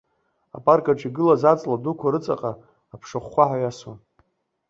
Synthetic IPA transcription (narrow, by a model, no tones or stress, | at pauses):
a̰pʼarkʼaʈ͡ʂiɡɨlazat͡sʼladukʷʰaɾɨt͡sʼaqʼaː | pʰʂaχːʷaħajaswan